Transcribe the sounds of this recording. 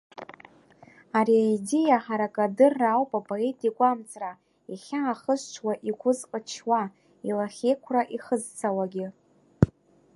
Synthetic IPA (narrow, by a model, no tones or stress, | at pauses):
aɾiaidejaħaɾakʼadɨrːawpʼapʼoe̞tʼikʷʼamt͡sʼra | iχʲaːχəzt͡ʃʷʰwaʔikʷʰʊzqʼət͡ʃʰwa | ilaχʲe̞jkʷʰraʔiχəzt͡sʰawaɡʲɪ